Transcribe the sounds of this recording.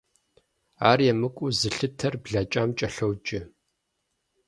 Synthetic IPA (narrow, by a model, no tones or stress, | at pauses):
aːrjɛmɨkʷʼʊzɨɬɨtʰɐrbɮɐt͡ʃʼaːmt͡ʃʼɐɬɐwd͡ʒʼɪ